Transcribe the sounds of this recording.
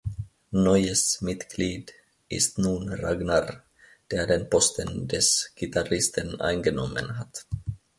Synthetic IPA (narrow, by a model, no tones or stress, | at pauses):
nɔʏəsmɪt̪ɡ̥liːd | ʔɪ̰st̪nuːnraɡnɑɾ | d̪̥eːɐdenpɔst̪ʰəndɛsɡ̥it̪aɾɪst̪ənʔa̰ɪnɡənɔmə̰nɦat̪